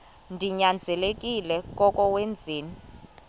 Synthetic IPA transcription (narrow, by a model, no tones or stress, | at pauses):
ndʱiɲand͡zʱɛlekʼilɛkʼɔkʼɔwend͡zʱiːni